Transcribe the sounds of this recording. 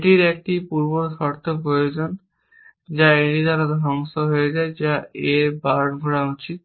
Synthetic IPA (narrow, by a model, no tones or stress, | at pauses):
ʈiɾɛk̚ʈipuɾboɾʃɔɾt̪ʰopɾojod͡ʑon | d͡ʑaeʈit̪aɾad̪ʱɾɔŋsoɦoed͡ʑaed͡ʑaeɾbaɾɡʱoɽaut͡ɕit̪̚